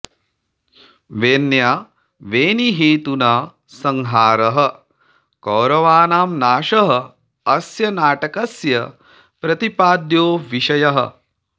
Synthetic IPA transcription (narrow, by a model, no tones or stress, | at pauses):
ʋeːnjaː | ʋeːniɦiːt̪unaː | sɐŋɦaːɾɐɦɐ | kɐːɾɐʋaːnaːmnaːʃɐɦɐ | ɐsjɐnaːʈɐkɐsjɐ | pɾɐt̪ipaːd̪joːʋiʃɐjɐɦɐ̰̆